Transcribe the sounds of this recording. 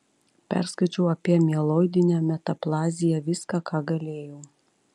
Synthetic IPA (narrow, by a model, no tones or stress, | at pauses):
pʲæ̰ɾskɐɪt͡ʃʲɛʊɐpʲiɛmʲɛlˠɔd̪ʲɪnʲɛːmʲɛt̪ɐplˠɑːzʲɪjɛʋʲɪskɑkɑːɡɐlʲeːjoː